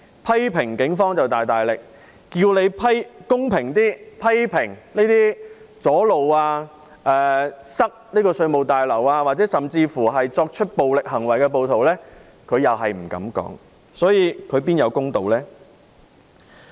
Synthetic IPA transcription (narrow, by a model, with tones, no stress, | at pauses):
pʰɐ˥jpʰɪ˨˩ŋkɪ˨˥ŋfɔː˥ŋt͡sɐ˨wt̪aː˨jt̪aː˨jlɪ˨k̚ː | iː˧wne˨˧jpʰɐ˥jkʊ˥ŋpʰɪ˨˩ŋt̪iː˥pʰɐ˥jpʰɪ˨˩ŋneː˥t̪iː˥ | t͡sɔː˨˥lo˨waː˧ | ʔɛː˨sɐ˥k̚niː˥kɔː˧sɵ˧ɥmo˨˩wt̪aː˨jlɐ˨˩waː˧waː˨t̚t͡sɛː˨˥sɐ˨˩mt͡siː˧fuː˨˩ɦɐ˨jt͡sɔː˧k̚t͡ʃʰɵ˥t̚po˨wlɪ˨k̚ɦɐ˨˩ŋwɐ˨˩jkɛ˧p̬o˨wt̪ʰo˨˩wlɛː˥ | kʰɵ˨˧ɥjɐ˨wɦɐ˨jm̩˨˩kɐ̰˨˥mkɔ̰ː˨˥ŋ | sɔː˨˥jiː˨˧kʰɵ˨˧ɥpiː˥njɐ˨˧wkʊ˥ŋt̪o˨wlɛː˥